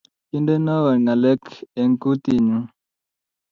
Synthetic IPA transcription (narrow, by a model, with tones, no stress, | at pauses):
ki˦nde˦na˦wa˨ŋa˨lɛ˦ke˨ŋku˦t̪i˨ɲu˦